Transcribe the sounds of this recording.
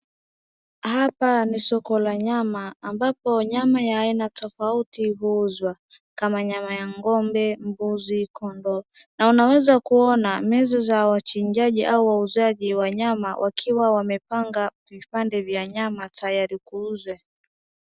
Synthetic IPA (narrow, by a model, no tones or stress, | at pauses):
hapanisɔkɔlaɲamaːmbapɔɲamajaːinatɔfautiɦuuzwa | kamaɲamajaŋɡɔmbɛmbuzikɔndɔ | naunawɛzakuɔnamɛzɔzawat͡ʃiɲd͡ʒaʄiʔauwauzaʄiwaɲamawʔakʰiwawamɛpaŋɡavipandɛvjaɲamatʰajaɾikuuzɛ